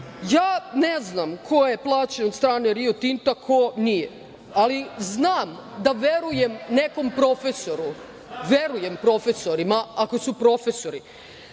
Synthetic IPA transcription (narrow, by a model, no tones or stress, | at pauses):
jaːne̞znamkʰo̞je̞plˠaːt͡ɕenot̪st̪ɾaːneɾiot̪int̪akʰonije | aliznaːmd̪aʋe̞ɾuje̞mne̞ko̞mpɾo̞feso̞ɾu | ʋe̞ɾuje̞mpɾo̞feso̞ɾimaako̞supɾo̞feso̞ɾi